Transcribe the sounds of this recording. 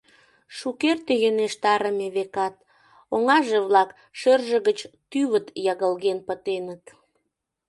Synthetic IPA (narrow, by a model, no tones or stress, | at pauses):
ʃukert̪ejøneʃt̪ɑɾəmeβekɑt̪̚ | oŋɑʒeβlɑk | ʃørʒəɣət͡ɕt̪yβət̪jɑɣəlɣenpət̪enət̪